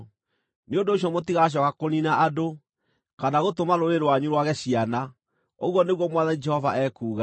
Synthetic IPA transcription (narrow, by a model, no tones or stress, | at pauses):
neondoːɕjɔmotiɣaɕ̬ɔkakoninaʔado | kanaɣotomaɾoɾeɾwaɲuɾwaɣɛɕiana | oɣwɔneɣwɔmwaðanid͡ʒɛhɔvaʔɛːkuːɣa